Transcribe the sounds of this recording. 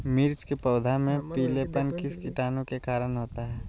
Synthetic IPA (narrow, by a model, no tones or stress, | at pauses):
mɪɾt͡ʃkepɐːd̪ʱamẽpiːlepənkɪskɪʈaːnõkekaːɾənɦoːt̪aɦɛː